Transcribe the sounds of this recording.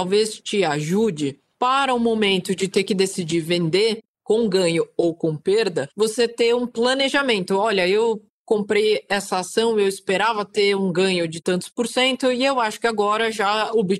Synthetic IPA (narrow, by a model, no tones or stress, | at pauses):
tawvest͡ʃɪaʒud͡ʒɪ | paɾɐʊmomẽnt̪ʊd͡ʒɪt̪eɾkɪd̪esid͡ʒiɾvẽnd̪e | kõw̃ɡɐ̃ɲʊowkõw̃peɾd̪ɐvoset̪eũplɐneʒamẽnt̪ʊɔʎɐew | kõmpɾejɛsɐasɐ̃w̃ewɪspeɾavɐt̪eũɡɐ̃ɲʊd͡ʒɪt̪ɐ̃nt̪ʊ̥spoɾsẽnt̪ʊɪewaʃʊ̥kɪaɡɔɾɐʒaobɪ